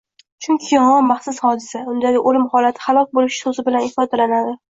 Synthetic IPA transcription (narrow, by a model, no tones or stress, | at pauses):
t͡ʃʰʊŋkʲʰɪjɒŋɒmmaχsʊshɒd̪ɪsaʊnd̪aɡʲɪʔolɪmχɒlat̪ʰɪ̥χalˠɒk̚ʲbolɪʃɪ̥sozɪbɪlanɪfɒd̪alanad̪ɪ